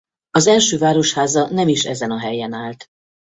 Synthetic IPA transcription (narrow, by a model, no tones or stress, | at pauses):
ɒzɛlʃøːvaːɾo̞ʃhaːzɒnɛmiʃɛ̰zɛnɒɦɛjɛnaːlt̪